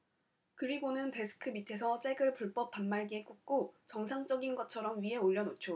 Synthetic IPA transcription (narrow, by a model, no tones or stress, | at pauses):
kɯɾiɡonɯnte̞sʰɯ̥kʰɯmitʰe̞sʰʌt͡ɕ͈eɡɯɭpuɭp͈ʌp̚p͈ːanmaɭɡiek͈uk̚k͈ot͡ɕʌŋsʰaŋt͡ɕ͈ʌɡinɡʌt͡ɕʰʌɾʌmɥiɦe̞oʎːʌnot͡ɕʰo